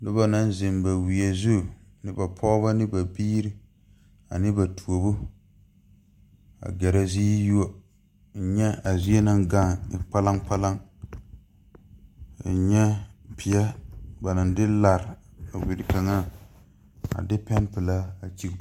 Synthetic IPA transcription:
nɪ˦ba˨na˦n˦zɪ˨mba˨wi˨a˨zu˦˨nɪ˦ba˨pʰɔ˦ba˦nɪ˦ba˨biː˦ɾɪ˦ | a̰˨nɪ˦ba˨tʰu˨o˨bʊ˦ | a̰˨ɡɛ˨ɾa˦zi˦ju˦o˦˨ | ɲɛ˦a˨zi˦a˦na˦ŋɡa˦˨k͡pa˦la˦ŋk͡pa˦la˦ŋ˨ | ɲɛ˦pʰi˨ja˦ba˨na˨ndɪ˦la˨ɾa˨wi˨ɾɪ˨ka˨ŋa˦ | a̰˨dɪ˦pɛ˦npɪ˨la˦a˨t͡ʃi˦

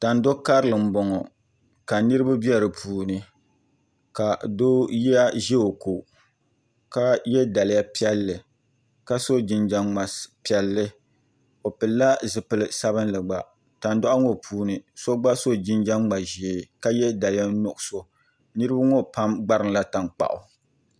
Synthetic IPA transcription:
ta˨n˦do˦ka˦ɾɨ˨lɨ˨m̩˦bɔ˨ŋɔ˨ | ka˨nɨ˦ɾɨ˦ba˦bɛ˦ɾɨ˨pʰuː˨nɨ˨ | ka˨do˦ja˦ʒɛ˦o˨ko˨ | ka˦jɛ˦da˨lja˦pi˦ɛ˦lːɨ˨ | ka˦so˦d͡ʒɪ˨nd͡ʒa˦ŋ͡ma˨pɛ˨lːɨ˦ | o˨pɨ˨lːa˦zɨ˨pɨ˨lɨ˨sa˦bɨ˦n˦lɨ˨ɡ͡ba˨ | ta˨ndɔ˦ʔa˦ŋo˦pʰuː˨nɨ˨so˦ɡ͡ba˦so˦d͡ʒɪ˦nd͡ʒa˦ŋŋ͡ma˨ʒe˨ka˦jɛ˦da˨la˦nʊ˨ʔʊ˨so˦ | nɨ˦ɾɨ˦ba˦ŋo˦pa˦mɡ͡ba˦ɾɨ˨ŋla˦ta˨ŋk͡pa̰˨ʔʊ̰˨

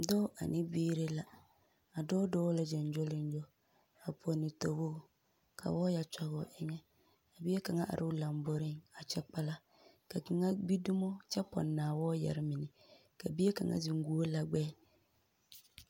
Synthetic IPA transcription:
dɔː˦ʔa̰˨nɪ˦biː˦ɾe˦la˦ | a˨dɔ˦dɔː˦la˦d͡ʒɛ˨n˦d͡ʒo˦lɪ˦n˦d͡ʒo˦ | a˨pʰo˨nɪ˨to˨wo˦ | kʰa̰˨wɔː˦ja˨t͡ʃa˨ɣɔ̰˨ɪ˦ŋɛ˦ | a˨bi˦e˦ka˨ŋa˦ʔa̰˨ɾʔɪ˦la˨m˦bo˦ɾɪ˦ŋa˨t͡ʃɛ˦k͡pa˦la˦ | ka˨ki˨ŋa˦bi˦du˦mo˦t͡ʃɛ˦pɔ̰˨nːaː˨wɔː˦jɛ̰˨ɾɪ˦mɪ˨nɪ˨ | ka˨bi˦e˦ka̰˨ŋa̰˦zɪ˨ŋ˦ɡu˨˦o˦la˨ɡ͡bɛː˦

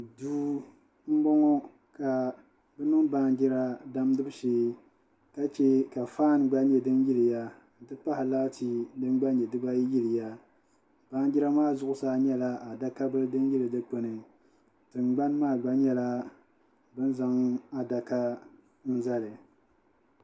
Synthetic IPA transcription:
duː˦ | m̩˦bɔ˦ŋɔ˦ | ka˨ | bɨ˦nɨ˦ŋbaː˦nd͡ʒɪ˦ɾa˦da˦mdɨ˦bɨ˦ʃeː˦ | ka˦t͡ʃɛ˦ka˨faː˦˨nɡ͡ba˦ɲɛ˨dɨ˦njɪ˦lɨ˨ja˦ | n̩˨tɨ˦pa˦hɪ˨la˦tʰi˦dɨ˦ɡ͡ba˦ɲɛ˨dɨ˦ba˦ji˦lɨ˨ja˦ | b̥aː˦nd͡ʒɪ˦ɾa˦maː˦˨zʊ˦ʔʊ˦saː˦ɲɛ˦la˦a˨da˦ka˦bɨ˦lɨ˦dɨ˦nji˦lɨ˨dɨ˦k͡pɨ˨nɨ˨ | tɨ˨ŋɡ͡ba˦nmaː˦˨ɡ͡ba˦ɲɛ˦la˦ | bɨ˦n˦za˨˦ŋa˨da˨ka˦ | n̩˦za˦lɨ˨

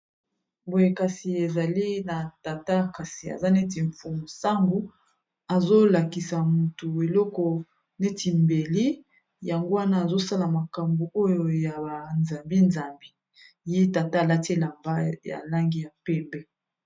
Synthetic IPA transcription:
bo˨je˨ka˨si˨e˨za˨li˦na˨ta˨ta˦ka˨si˨a̰˨za˦ne˦t̬i˨ɱfu˨mu˨sa˦ŋɡu˨ | a˨zo˦la˨ki˨sa˨mu˨tu˨e˨lɔ˦kɔ˨ | ne˦ti˨mbe˨li˦ | ja˨ŋɡo˦wa˦naː˦˨zo˦sa˦la˨ma˨ka˨mbu˨o˦jo˨ja˨ba˨nza˨mbi˦nza˨mbi˦ | je˦ta˨ta˦a˨la˦tla˨mba˦ja̰˨la˦ŋɡi˦ja˨pɛ˦mbɛ˦

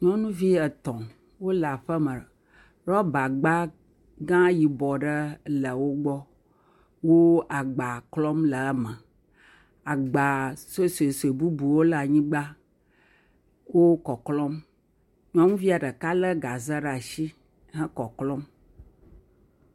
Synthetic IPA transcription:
ɲɔ̃˦nũ˦vi˦ə˨t̪ɔ̃˨ | wo˦la˨ɸə˦mə˨ | ɖɔ˦ba˨ɡ͡ba˦ | ɡã˦ji˨bɔ˨ɖə˦lə˨wo˦ɡ͡bɔ˦ | wo˦a˨ɡ͡ba˨klɔ˦mlə˨a˦mə̃˨ | a˨ɡ͡ba˨se˦se˨se˨bu˦bu˨wo˦la˨ɲĩ˦ɡ͡ba˦ | wo˦kɔ˨klɔ˦m | ɲɔ̃˦ŋũ˦vi˦a˨ɖə˨ka˦lə˦ɡa˨zə˦ɖa˨ʃi˦ | ɦə̃˦kɔ˨klɔ˦m

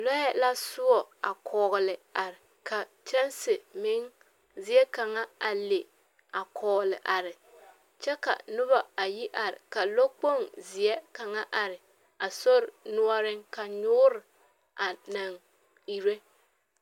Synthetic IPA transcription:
lɔ˦ɛ˦la˦sʊ˦ɔ˨a̰˨kʰɔː˨ɣɪ˨lɪ˨a˨ɾɪ˨ | kʰa˨t͡ʃɛ˦nsɪ˨mɪ˦ŋ | zɪ˨ɛ˦ka˨ŋa˦a˨le˨ | a˨kʰɔː˨ɣlɪ˨ʔa˨ɾɪ˨ | t͡ʃɛ˦ka̰˨nʊ˦βa˨a˨ji˦ʔa˨ɾɪ̰˨ka˨lo˦k͡po˦˨ŋzɪ˨ɛ˦ka˨ŋa˦ʔa˨ɾɪ˨ | a˨so˦ɾɪ˨nʊ˦ɔ˦ɾɪ˦ŋka˨ɲʊː˦ɾɪ˨ | ʔa˨na˨ŋ | i˨ɾe˦

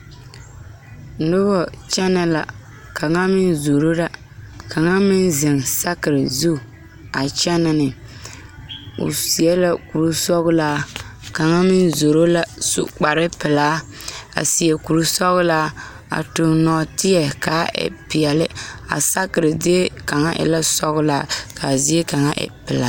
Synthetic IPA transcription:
n̩˨˦dʊ˦bɔ˦t͡ʃɛ˦na˨la˨ | ka˨ŋa˦mɪ˦nzo˨ɾo˦la˦ | ka˨ŋa˦mɪ˦nzɪ˨ŋsa˦kɨ˨ɾɪ˨zu˦˨ | a˨t͡ʃɛ˦na˨nɪ˨ | ʊ̰˨si˨ɛ˦la˦ku˨ɾu˦sɔ˦ɣʊ˦laː˦ka˨ŋa˦mɪ˦nzo˨ɾo˦la˦sṵ˦˨k͡pa˨ɾɪ˦pɪ˨laː˦ | a̰˨si˨ɛ˨ku˨ɾu˦sɔ˦ɣʊ˦la˦ | a̰˨tʊ˨nɔ˨tɪ˦jɛ˨ka˨˦ʔɛ̰˨pi˨jɛ˨lɪ˦a̰˨sa˦kɨ˨ɾɪ˨di˦e˦ka˨ŋa˦ʔɪ̰˨la˦sɔ˦ɣʊ˦laː˦ka˨zi˦e˦ka˨ŋa˦ʔɛ̰˨pɪ˨la˦

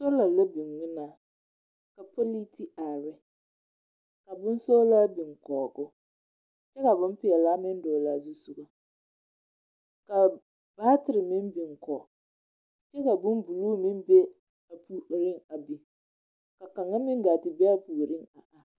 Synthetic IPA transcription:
so˦la˨la˦bi˨ŋːɪ˦naː˨ | ka˨pɔ˦li˦ti˦ʔa˨ɾɪ˦ | ka˨bʊ˦n˦so˦laː˦bi˨ŋkɔː˨ɡʊ˦ | t͡ʃɛ˦ka˨bʊ˦m˦pɪ˨˦ɛ˨la˦mɪ˦n˦dɔː˨la˨˦˨zu˦sʊ˨ɡa˨ | ka˨ | b̥aː˦tɪ˨ɾɪ˨mɪ˦mbi˨ŋkɔː˨ | t͡ʃɛ˦ka˨bʊ˦mbu˨luː˦mɪ˦mbe˦ | a˨pʰu˦˨ɾɪ˦ŋa˨bi˨ | ka˨ka˨ŋa˦mɪ˦ŋ˦ɡaː˨tɪ˨bɛ˦a˦pu˨ɾɪ˦ŋa˨ʔa˨

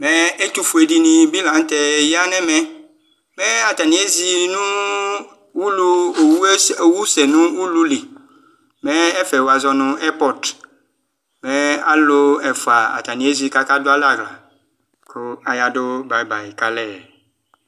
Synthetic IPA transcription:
mɛ˦e˦t̪u˦fu˨e˨di˨˦nĩ˨bi˦lã˨˦ŋ˦t̪ɛ˨ja˦nɛ̃˦mɛ̃˦ | mɛ˦a˨t̪a˨nĩ˦e˦zi˨nũ˦ | wu˦lu˦e˨wu˦e˦e˨wu˦sɛ˨nũ˦wu˦lu˦li˨ | mɛ˦ɛ˦fɛ˨wo˨a˨zɔ˦nʊ̃˨ɛ˦pɔ˨d | mɛ˦a˦lo˦ɛ˨fo˨a˨a̰˨t̪a˨nĩ˨e˦zi˨ka˦ka˦do˦a˦la˦˨ɡla̰˨ | kʰo˦a˨ja˨do˦ba˨i˦ba˨i˨ka˦lɛ˦˨

